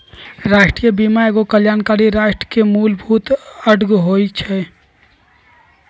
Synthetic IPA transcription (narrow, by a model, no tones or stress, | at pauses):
ɾaʃʈɾijəbimaeɡokəljaːnkaɾiɾaʃʈɾəkemulbʱut̪əɖɡɦojt͡ʃʰɛ